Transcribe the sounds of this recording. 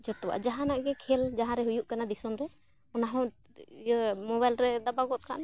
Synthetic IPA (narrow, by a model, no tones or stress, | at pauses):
d͡ʒɔt̪ɔwa̰ʔd͡ʒaɦãnaʔɡɛkʰɛld͡ʒaɦãɾɛɦujuʔkanad̪isɔnɾɛ | ɔnaɦɔ̃ | mɔbajlɾɛd̪abaɡɔt̪̚kʰa̰ʔna